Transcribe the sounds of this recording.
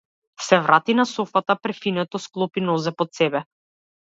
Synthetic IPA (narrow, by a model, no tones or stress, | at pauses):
sɛvɾat̪inasɔfat̪apɾɛfinɛt̪ɔsklˠɔpinɔzɛpɔt̪sɛbɛ